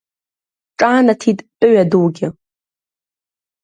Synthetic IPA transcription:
ʈ͡ʂʼaːnatʰitʼpʼɥaduwɡʲɪ

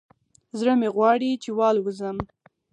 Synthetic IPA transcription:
zɽəmeɣwɑɽit͡ʃewɑlwəzəm

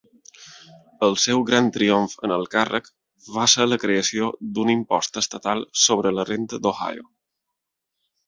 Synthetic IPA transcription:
əlˠsɛwɣɾant̪ɾioɱfə̰nəlˠkarə̰k | βasələkɾeəsiod̪unimpɔ̰st̪əst̪ət̪alˠsoβɾələrent̪əd̪oha̰jo̰

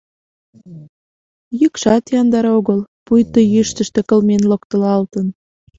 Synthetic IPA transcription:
jykʃɑt̪jɑnd̪ɑɾoɣəlpujt̪əjyʃt̪ə̆ʃt̪ĕkə̆lmenlok̚t̪ə̆lɑlt̪ən

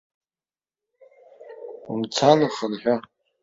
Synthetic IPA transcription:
umt͡sʰanaχənħᶣʷa

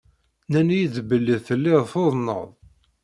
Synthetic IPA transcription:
nænjiðbəlːiðθəlːɪðθoðˤnə̰ðˤ

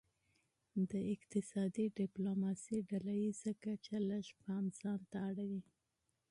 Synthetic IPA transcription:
d̪əɪqt̪ɪsɑd̪iɖɪplomɑsiɖalajizakat͡ʃalaʃpanz̥ɑnt̪aːɽawi

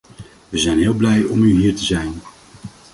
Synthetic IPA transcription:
ʋəzɛjnɦɪːlˠblɛjɔmyɦiːɹtəzɛjn

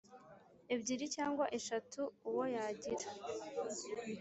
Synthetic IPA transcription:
ebɟiɾicaːŋɡwaʔeʃatuːwo̞jaɟiɾa

